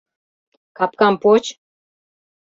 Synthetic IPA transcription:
kɑp̚kɑmpot͡ɕ

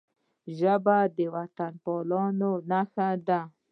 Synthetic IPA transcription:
ʒabad̪ewat̪anpɔlɑnonaxad̪a

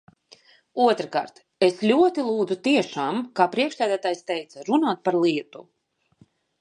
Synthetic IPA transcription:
uɔt̪ɾɨka̰ːɾt̪ | eslʲuɔt̪ilˠuːd̪zut̪iɛʃaːmkaːpɾiɛkʃsæːd̪æːt̪aːjst̪ɛjt̪saɾunaːt̪̚paɾlˠiɛt̪ṵ

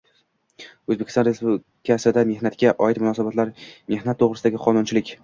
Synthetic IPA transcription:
ɵzbekʲɪ̥st̪ɒnɾe̞spublɪkʲʰasɪd̪ame̞hnat̪kʲaʔɒɪt̪mʊnɒsabat̪laɾme̞hnat̪ʰːoʁɾɪsɪd̪aɡʲɪqʰɒnʊnt͡ʃʰɪlɪkʲ

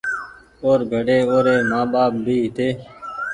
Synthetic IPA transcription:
oːɾɡʱəɖeːoːɾeːmãːɓaːp̚bʱiːɦɪt̪eː

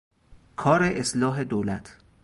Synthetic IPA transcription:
kʰɒːɾeʔeslɒːɦe̞d̪olæt̪ʰ

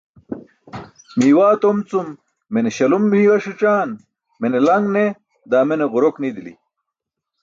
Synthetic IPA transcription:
miːwaːt̪omt͡sumː | eneɕɐlumːiːwɐʂiʈ͡ʂaːn | menelɐŋɡne | d̪aːmeneʁuɾoknid̪ilḭ

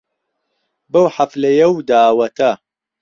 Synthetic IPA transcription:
bɐwħaflɐjɐwd̪aːwɐt̪ʰɐ

